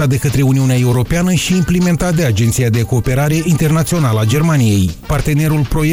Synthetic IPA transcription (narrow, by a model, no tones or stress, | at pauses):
at̪̚d̪e̞kət̪ɾe̞uniuneae̞uɾo̞peanəʃiːmplime̞nt̪at̪̚d̪e̞ad͡ʒent̪sijad̪e̞ko̞ːpe̞ɾaɾe̞ʔint̪e̞rnat̪sio̞naləad͡ʒe̞rmanije̞jpart̪e̞ne̞ɾulpɾo̞je